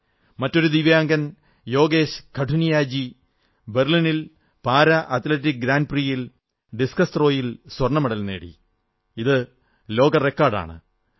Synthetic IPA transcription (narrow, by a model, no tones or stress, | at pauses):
mɐtːo̞ɾud̪iʋjaːŋɡɐn | jo̞ːɡe̞ːɕkʰɐʈʰunijaːd͡ʑi | be̞rlinil | paːɾɐʔɐt̪let̬ːik̚ɡɾaːnd̚prijil | ɖiskɐst̪ro̞ːjilswɐrɳɐmɐɽɐlnḛːɽḭ | iðɨ | lo̞ːɡɐre̞kːaːrɖa̰ːɳɨ̰